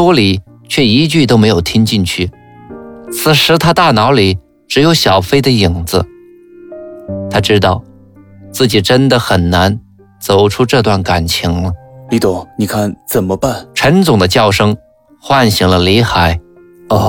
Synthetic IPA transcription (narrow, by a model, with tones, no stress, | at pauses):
wɔ˥li˨˩˦ | t͡ɕʰɥɛ˥˩i˧˥t͡ɕy˥˩t̪o˥ʊme˧˥ɪjo˨˩ʊt̪ʰi˥ŋt͡ɕi˥˧ŋt͡ɕʰy˥˩ | t͡sʰɹ̩˨˩ʂɻ̩˧˥t̪ʰa˥t̪a˥˩nɑ˧˥ʊli˨˩ | ʈ͡ʂɻ̩˧˥jo˧˥ʊɕjɑ˨˩ʊfe˥ɪd̪ə˧i˨˩ŋd͡zɹ̩˧˦ | t̪ʰa˥ʈ͡ʂɻ̩˥t̪ɑ˥˧ʊ | t͡sɹ̩˥˩t͡ɕi˨˩ʈ͡ʂə˥nd̪ə˨˩xə˨˩nna˧˥n | t͡so˨˩ʊʈ͡ʂʰu˥ʈ͡ʂɤ˥˧t̪wa˥˩nka˨˩nt͡ɕʰi˧˥ŋlə˧li˧˥t̪o˧˥˩ni˨˩kʰa˥˩nt͡sə˨˩nmə˦pa˥˩nʈ͡ʂʰə˧˥nt͡sʊ˨˩ŋd̪ə˦t͡ɕjɑ˥˩ʊʂɤ˥ŋ | xwa˥˩nɕi˧˥˩ŋlə˧li˧˥xa˧˩˦ɪ˧